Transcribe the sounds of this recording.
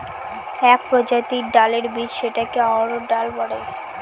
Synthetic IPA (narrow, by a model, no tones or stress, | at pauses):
ɛk̚pɾod͡ʑat̪iɾɖaleɾbid͡ʑʃeʈakeaɾoɖalbɔɽe